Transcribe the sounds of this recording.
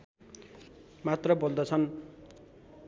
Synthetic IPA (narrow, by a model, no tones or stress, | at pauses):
mat̪rʌbold̪ʌt͡sʰʌn